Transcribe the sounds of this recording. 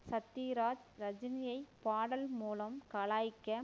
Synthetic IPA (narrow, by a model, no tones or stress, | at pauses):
sɐt̪ːiːɾaːd͡ʒɾɐd͡ʒɪnɪjɐɪpaːɽɐlmuːlɐmkɐɭaːjkːɐ